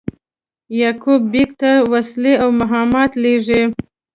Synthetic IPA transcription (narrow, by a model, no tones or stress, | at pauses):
jɑkubːikt̪awasleawmaɦɑmɑt̪leʐi